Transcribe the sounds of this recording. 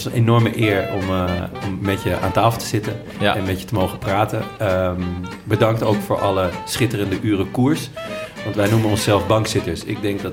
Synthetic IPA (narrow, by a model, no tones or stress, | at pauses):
sənenɔɹməʔɪːɹɔ̰mɔmːɛtjəʔa̰ːntaːfl̩ˠtə̥z̥ɪtən | ɛnmɛtjətəmowχəpraːtəm | bədɑŋktowkfʊːɹʔɑləsχɪtərəndəʔyːrəkuɹsʋɑntʋɛjnumənɔnsɛlˠfbɑŋksɪtəɹsɪ̰ɡ̚dɛŋk̚dɑ